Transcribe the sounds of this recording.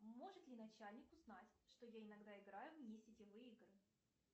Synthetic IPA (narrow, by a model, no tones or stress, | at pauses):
mo̞ʐɨt̪lʲɪnɐt͡ɕalʲnʲɪkʊznatʲʂt̪ojaɪnɐɡd̪aɪɡɾajʊvnʲesʲɪtʲɪvɨiɡrɨ